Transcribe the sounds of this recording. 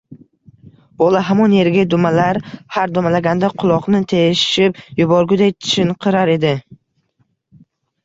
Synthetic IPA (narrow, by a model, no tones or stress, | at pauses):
b̥ɒlˠaɦamɒnje̞ɾɡʲad̪ʊmalaɾhaɾd̪ʊmalaɡʲand̪aqʰʊlˠɒqnɪt̪ʰeʃʃɪpjʊbɒɾɡʲʊd̪ajt̪ʰɪ̥ʃɪnqʰɨɾaɾe̞d̪ɪ